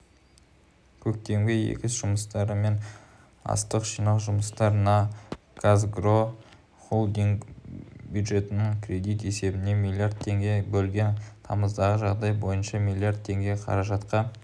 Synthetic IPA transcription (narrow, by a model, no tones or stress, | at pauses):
kʲʰɵk̚t̪e̞mɡʲɪjḛkʲɪsʒ̥ʊməst̪ɑɾəme̞n | ɑ̰st̪əqʒijnɑlˠʒʊməst̪ɑɾənɑ | ɡ̥azɡro̞ | χolˠd̪iŋɡbʲjud̪ʒe̞t̪ɪnɪŋkʰʲrʲe̞d̪ijt̪e̞se̞bɪne̞mijlʲˠiard̪̚t̪ʰːe̞ŋɡʲe̞bɵlɡʲe̞nt̪ʰɑməzd̪ɑʁəʒɑʁd̪ɑjbo̞jənʃɑmilʲˠijaɾrd̪̚t̪ʰːe̞ŋɡʲe̞qʰɑ̰ɾɑʒɑt̪qɑn